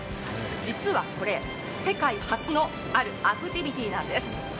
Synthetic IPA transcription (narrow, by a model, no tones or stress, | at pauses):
d͡ʑit͡sɨβako̞ɾe̞ | se̞kaihat͡sɨno̞ | aɾɯ̟akɯ̟t̪ʲibʲit̪ʲiːnãnd̪e̞sɨ̥